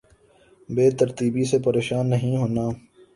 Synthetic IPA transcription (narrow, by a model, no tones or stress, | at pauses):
beːt̪əɾt̪iːbisepəɾeːʃaːnːɐɦĩɦoːnaː